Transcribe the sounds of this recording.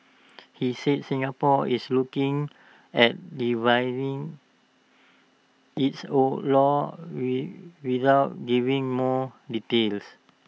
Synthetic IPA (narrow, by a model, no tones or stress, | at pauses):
hiset̚sĩŋapɔislukĩŋ | ɛt̚ɹivajɹĩŋ | itsolɔwwiðaʊt̚ɡivĩŋmɔditels